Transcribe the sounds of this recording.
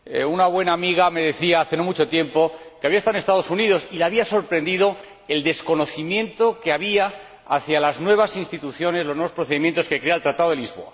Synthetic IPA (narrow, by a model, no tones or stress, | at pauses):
unaβwe̞naːmiɣ̞ame̞ðe̞θiaaθe̞no̞mut͡ʃo̞t̪je̞mpo̞keaβiast̪aðnest̪aðo̞suniðo̞silaβiaso̞ɾpɾẽ̞nd̪iðo̞ | e̞ld̪e̞sko̞no̞θimjẽnt̪o̞keaβia | a̰θjalaznwe̞β̞asinst̪it̪uθjo̞ne̞slo̞znwe̞o̞spɾo̞θeimjent̪o̞ske̞kɾealt̪ɾat̪aðoelizβo̞̰a̰